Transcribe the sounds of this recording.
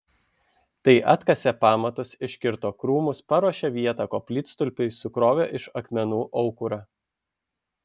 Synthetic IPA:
t̪ɐɪʔɐt̪kɐsʲɛpɑːmɐt̪ʊsɪʃʲkʲɪɾt̪oːkɾuːmʊspɐɾuɔʃʲɛʋʲiɛt̪ɐkoːpʲlʲɪːt̪st̪ʊlʲpʲɪɪsʊkɾoːʋʲoːʔɪʃɐkmʲɛnuːʔɒʊkʊɾɑ

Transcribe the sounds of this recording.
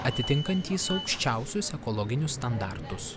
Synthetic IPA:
ɐt̪ʲɪt̪ʲɪŋˑkɐnʲt̪ʲiːsɒʊkʃʲt͡ʃʲæˑʊsʲʊsɛkɔlˠɔɡʲɪnʲʊsːt̪ɐnd̪ɑɾt̪ʊs

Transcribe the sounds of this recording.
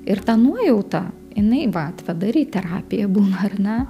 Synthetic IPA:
ɪrt̪ɑːnuɔjɛʊt̪ɑ | jɪnɐɪʋɐɐt̪ʲʋʲɛd̪ɐɾʲiːt̪ʲɛɾɑːpʲɪjɛbuːnɐɐrnʲɛ

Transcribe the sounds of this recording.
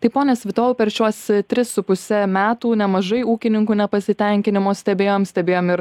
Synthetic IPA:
t̪ɐɪpoːnʲɛsʲʋʲɪt̪oːʋʊpʲɛɾʃʲuɔst̪ʲɾʲɪsʊpʊsʲɛmʲæːt̪uːnʲɛmɐʒɐɪuːkʲɪnʲɪŋkuːnʲɛpɐsʲɪt̪ʲɛŋʲkʲɪnʲɪmoːsʲt̪ʲɛbʲeːjoːmsʲt̪ʲɛbʲeːjoːmɪɾ

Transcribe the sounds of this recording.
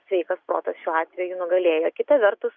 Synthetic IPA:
sʲʋʲɛɪkɐspɾo̰ːt̪ɐsʃʲuːɑːt̪ʲʋʲɛjunʊɡɐlʲeːjoːkʲɪt̪ɐʋʲɛɾt̪ʊs

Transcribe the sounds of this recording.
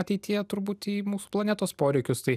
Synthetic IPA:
ɐt̪ʲɛɪt̪ʲɪjɛt̪ʊɾbuːt̪iːmuːsu̥ːplˠɐnʲæːt̪oːspoːɾʲɛɪkʲʊst̪ɐɪ

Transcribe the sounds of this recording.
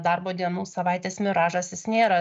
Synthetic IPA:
d̪ɐɾboːd̪ʲiɛnuːsɐʋɐɪt̪ʲeːsmʲɪɾɑːʒɐsʲjɪsnʲeːɾɐ

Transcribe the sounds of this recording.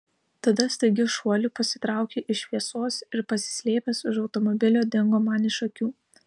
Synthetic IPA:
t̪ɐd̪ɐst̪ɐɪɡʲɪʃuɔlʲuːpɐsʲɪ̥t̪ɾɑˑʊkʲeːʔɪʃʲʋʲiɛsoːsɪɾpɐsʲɪ̥sʲlʲeːpʲɛsʊʃɒʊt̪ɔmɔbʲɪlʲoːd̪ʲɪŋɡoːmɑːnʲɪʃɐkʲuː

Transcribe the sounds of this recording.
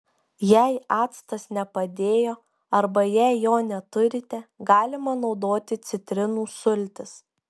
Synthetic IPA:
jɛɪɑːt̪st̪ɐsnʲɛpɐd̪ʲeːjoː | ɐɾbɐjɛɪjoːnʲɛt̪ʊɾʲɪt̪ʲɛɡɑːlʲɪmɐnɒʊd̪oːt̪ʲɪt̪sʲɪt̪ʲɾʲɪnuːsʊlʲt̪ʲɪs

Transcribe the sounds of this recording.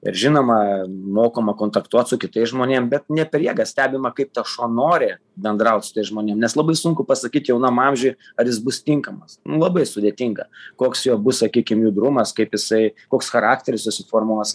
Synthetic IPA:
ɪ̰ɾʒʲɪnoːmɐmoːkoːmɐkoːnt̪ɐkt̪uɔt̪sʊkʲɪt̪ɐɪsʒmoːnʲeɛmbʲɛt̪nʲɛpʲɛɾjiɛɡɐsʲt̪ʲæːbʲɪmɐkɐɪp̚t̪ɐʃuɔnoːɾʲɪ | bʲɛnd̪ɾɐʊt̪ʲsʊ̥t̪ɐɪsʒmoːnʲeːmnʲɛslˠɐbɐɪsʊŋkʊpɐsɐkʲiːt̪jɛʊnɐmɐmʲʒʲʊj | ɐɾjɪsbʊst̪ʲɪŋkɐmɐsnʊlˠɐbɐɪsʊd̪ʲeɛt̪ʲɪŋɡɐkoːksjoːbʊssɐkʲiːkʲɪmjuːd̪ɾʊmɐskɐɪpjɪsɐɪkoːksxɐɾɑːk̚t̪ʲɛɾʲɪssʊsʲɪfoːrmuɔs

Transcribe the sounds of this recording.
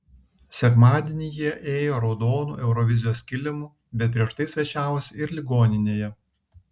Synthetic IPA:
sʲɛkmɑːd̪ʲiɛnʲɪjiɛʔeːjoːɾɔʊd̪oːnṵːʔɛʊɾɔʋʲɪzʲɪjoːsʲkʲɪlʲɪmuː | bʲɛt̪̚p̬ʲɾʲiɛʃt̪ɐɪsʲʋʲɛt͡ʃʲæːʋosʲɪɪɾlʲɪɡoːnʲɪnʲeːjɛ

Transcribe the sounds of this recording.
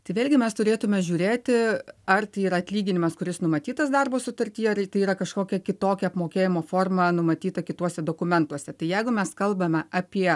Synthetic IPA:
t̪ɐɪʋʲeːlʲɡʲɪmʲɛst̪ʊɾʲeːt̪ʊmʲɛʒʲuːɾʲeːt̪ʲɪɐrt̪ɐɪiːɾɐɐt̪ʲlʲiːɡʲɪnʲɪmɐskʊɾʲɪsnʊmɐt̪ʲiːt̪ɐsd̪ɑrboːsʊt̪ɐɾʲt̪ʲiːɐrt̪ɐɪiːɾɐkɐʃkoːkʲɛkʲɪt̪oːkʲɛɐpmoːkʲeːjɪmoːfoːrmɐnʊmɐt̪ʲiːt̪ɐkʲɪt̪uɔsʲɛd̪oːkʊmʲɛnt̪uɔsʲɛt̪ɐɪjɛɪɡʊmʲɛskɐlˠbɐmʲɛʔɐpʲiɛ

